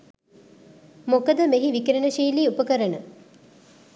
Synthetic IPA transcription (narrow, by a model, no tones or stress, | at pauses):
mokəd̪əmeɦiʋikɾenəʃiːliːupəkəɾənə